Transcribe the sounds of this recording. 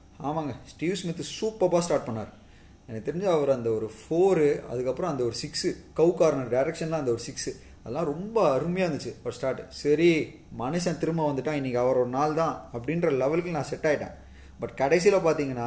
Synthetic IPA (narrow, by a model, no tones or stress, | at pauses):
a̰ːʋaːŋɡɐsʈiːʋsmɪt̪ːɯsuːpːɐpːaːsʈaːɾʈ̚pɐɳnːaːɾɯ | ɛnːɐkt̪ɛɾɪɲd͡ʒaɐʋɐɾɯɐnd̪ɐɔɾɯfoːɾɯɐ̰ðɯkːɐpːɯɾɔ̃ɐnd̪ɐɔɾɯsɪksɯkɐʊkaːɾɐnɐɖɐɪɾɛkʂɐnt̪ãːɐnd̪ɐɔɾɯsɪksɯ | ɐðɐlːãːɾɔmbɐɐɾɯmɐɪjaːʋɐnd̪ɯt͡ʃːɯɐʋɐɾsʈaːɾʈːɯsɐɾi | mɐnɐʃɐ̃t̪ɪɾɯmɐʋɐnd̪ɯʈːãːɪnːɪkːɐɐʋɐɾɔɽɐnaːlt̪ãːɐp̬ːɐɽɪndɾɐlɛʋɐlkɐlnãːsɛʈːaːjɪʈːḛ̃ː | bɐʈːkɐɽɛs̬ilapaːɾt̪iːŋɡɐnːaː